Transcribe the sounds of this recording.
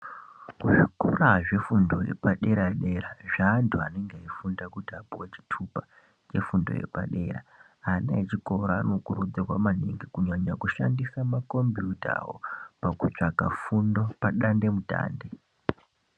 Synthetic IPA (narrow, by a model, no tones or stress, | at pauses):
kuʐikoraʐe̞fundo̞jḛpaɗe̞ɾaɗe̞ɾaʐaːntʰuane̞ŋɡeaifundakutiapiwat͡ʃi̥tʰupa | t͡ʃe̞fundo̞̰je̞̰pa̰ɗe̞ɾa̰ | anaet͡ʃiko̞ɾaːno̞kuɾud͡zirwamaneŋɡikuɲaɲakuʃa̰ndisamako̞mbjuta̰ɦo̰pakut͡ʂaka̰fundo̞paɗande̞muta̰ːnde̞